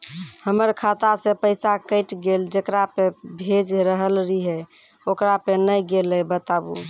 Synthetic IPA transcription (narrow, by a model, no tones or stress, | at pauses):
həməɾkʰat̪asẽpəɪsakəɪʈɡeld͡ʒekɾapebʱed͡ʒɾəɦəlɾiɦɛ | okɾapenəjɡeləbət̪abṵ